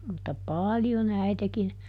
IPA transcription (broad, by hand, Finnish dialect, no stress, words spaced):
mutːɑ pɑːljon æitekin